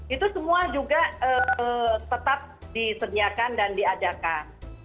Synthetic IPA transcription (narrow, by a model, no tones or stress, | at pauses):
it̪usəmuad͡ʒuɡaət̪ət̪ap̚disədiakandandiad͡ʒakan